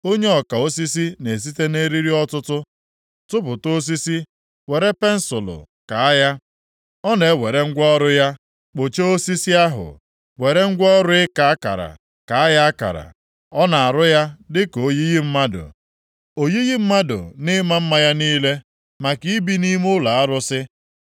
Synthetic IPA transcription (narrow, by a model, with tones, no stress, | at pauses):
o˦ɲe˦ɔ˨ka˨o˦si˦si˦ne˨s̬i˦te˦ne˦ɾi˦ɾi˦ɔ˦tʊ˦tʊ˦ | tʊ˦pʊ˨to˦s̬i˦si˦ | we˨ɾe˦pe˦n̩˦sʊ˨lʊ̰˨ | ka˨a˦ja˦ | ɔ˦ne˨˦we˨ɾe˦ŋ̩˦ɡʷɔ˦ɾʊ˦ja˦ | k͡po˨t͡ʃe˦o˦si˦si˦a˦ɦʊ̰˨ | we˨ɾe˦ŋ̩˦ɡʷɔ˦ɾʊ˦ɪ˦ka˨a˦ka̰˨ɾa̰˨ | ka˨a˦ja˦a˦ka̰˨ɾa̰˨ | ɔ˦na˨a˨ɾʊ˦ja˦dɪ˦ko˦ji˦ɣi˦m̩˦ma˦dʊ̰˨ | o˨ji˦ɣi˦m̩˦ma˦dʊ̰˨nɪ˦ma˦m̩˦ma˦ja˦niː˦le˦ | ma˨ki˦i˦bi˦ni˦mʊ˦la˨a˦ɾʊ˦sɪ˦